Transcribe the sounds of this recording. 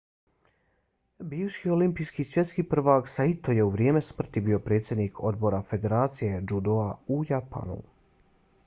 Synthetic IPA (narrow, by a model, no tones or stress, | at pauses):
biːʋʃio̞limpijskisʋje̞t̪skipr̩ʋaksait̪oje̞uʋɾje̞ːme̞smr̩t̪ibio̞pɾe̞ːt̪sjed̪niːkʰo̞d̪bo̞ɾafe̞d̪e̞ɾaːt̪sije̞d͡ʒud̪oaujapa̰nṵ